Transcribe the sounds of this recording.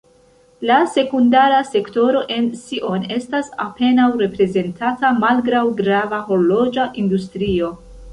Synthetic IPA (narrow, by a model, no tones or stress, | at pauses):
lase̞kundaɾase̞kto̞ɾo̞ʔe̞nsiʔo̞ne̞stasa̰pe̞nawɾe̞pɾe̞ze̞ntʰatamalɡɾawɡɾavaɦo̞ɾlo̞d͡ʒaʔindustɾio̞